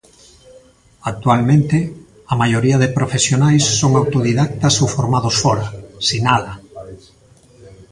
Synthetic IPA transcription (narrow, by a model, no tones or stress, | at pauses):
ak̚t̪ualmẽnt̪e | ɐmajoɾiaðɪpɾofesjonajsːoŋawt̪oðiðakt̪asufoɾmaðosfɔɾasinaða